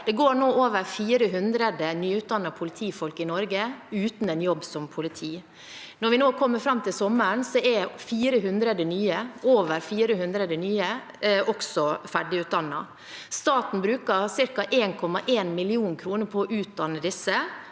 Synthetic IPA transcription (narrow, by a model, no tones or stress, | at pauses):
d̪̥ɛɡoːɳoːʔoːʋəɾfiːɾəɦʉnd̪ɾəd̪ənyːʉt̪̚d̪ɑnːəpʰʊlɪt̪ʰiːfɔlkɪnɔɾɡəʉːt̪n̩ɛnjɔbːsɔmpʰʊlɪt̪ʰiː | nɔɾʋɪnoːkʰɔmːəɾfɾɑmt̪ʰɪlsɔmːəɳsɔɛfiːɾəɦʉnd̪ɾəd̪ənyːəoːʋəɾfiːɾəhʉnd̪ɾəd̪ənyːə | ʔɔksɔfæɖɪʉːt̪̚d̪ɑnːɑ̰ | st̪ɑːt̪n̩bɾʉːkɑsɪɾkɑʔeːnkʰɔmːɑʔeːnmɪlɪuːnkʰɾuːnəɾpʰɔːʔʉːt̪̚d̪ɑnːəd̪ɪsːə